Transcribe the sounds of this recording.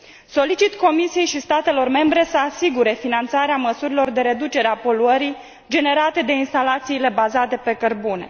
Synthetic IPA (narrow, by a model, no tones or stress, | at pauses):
so̞lit͡ʃit̪ko̞misije̞jʃist̪at̪e̞lo̞rme̞mbɾe̞səasiɡuɾe̞finant̪saɾeaməsuɾilo̞rd̪e̞ɾe̞d̪ut͡ʃe̞ɾeapo̞luəɾi | d͡ʒe̞ne̞ɾat̪e̞d̪e̞inst̪alat̪siːle̞bazat̪e̞pe̞kərbune̞̰